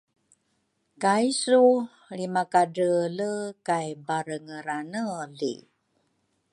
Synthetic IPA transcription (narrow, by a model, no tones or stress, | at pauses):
kajsu | ɭimakadələkajbaɾəŋəɾanəlḭ